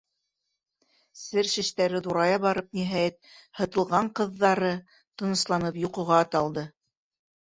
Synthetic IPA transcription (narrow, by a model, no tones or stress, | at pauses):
sɘɾʃɘ̆ʃt̪æɾɘðuɾɑjɑβɑɾɤp̚niɦæjæt̪̚hɤ̆t̪ɤ̆lˠʁɑɴqɤ̆ðːɑɾɤ | t̪ɤ̆nɤ̆slˠɑnɤpjuqɤ̆ʁɑːt̪ɑlˠd̪ɤ